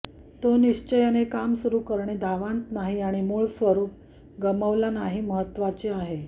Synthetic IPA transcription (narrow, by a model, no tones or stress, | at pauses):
t̪oniɕt͡ɕəjanekamsuɾuːkəɾɳed̪ʱaʋãnt̪naɦiaɽ̃imuɭsʋəɾuːp̚ | ɡəməʋlanaɦiːməɦət̪ːʋat͡ɕeaɦe